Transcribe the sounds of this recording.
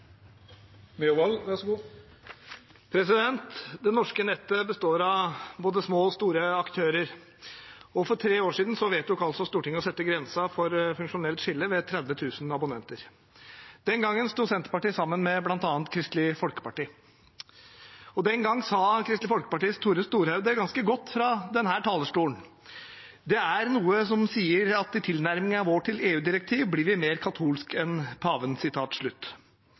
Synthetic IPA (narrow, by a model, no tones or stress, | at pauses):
mɛʊʋɑlʋæʂɡuː | pʰɾɛsɪd̪ɛnt̪d̪ɛnɔʂkənɛt̪ːəbəst̪oːɾɑʋboːd̪əsmoːɔst̪uːɾəɑkt̪ʰøːɾəɾ | ɔfɔʈʰɾeːoːʂiːd̪n̩sɔʋeːt̪̚d̪ʊkɑlsɔst̪uːʈɪŋəɔsɛt̪ːəɡɾɛnsɑfɔɾfʉŋkʂʊnɛlt̪ʂɪlːəʋɛt̪ʰɾɛd̪ʋət̪ʰʉːsnɑbʊnɛnt̪əɾ | d̪̥ɛnɡɑŋːənst̪uːsɛnt̪əɾpɑʈiːsɑmːənmɛblɑnt̪ɑːnt̪kʰɾɪst̪lɪfɔlkə̥pɑʈiː | ɔd̪ɛŋɡɑŋːsɑːkʰɾɪst̪lɪfɔlkə̥pɑʈiːst̪ʰːuːɾəst̪uːɾhɑʉd̪əɡɑnskəɡɔt̪ːfɾɑd̪ɛnɦæːʈʰɑːləʂʈuːəɳ | d̪ɛæɾnuːəsɔmsiːəɾɑt̪ɪt̪ʰɪlnæɾmɪŋənɑʋoːʈʰɪleːʉːd̪ɪɾɛk̚t̪ʰiːʋblɪɾʋɪmeːɾkʰɑt̪ʰuːlskɛnpʰɑːʋənsɪt̪ʰɑːt̪ʂɭʉt̪ː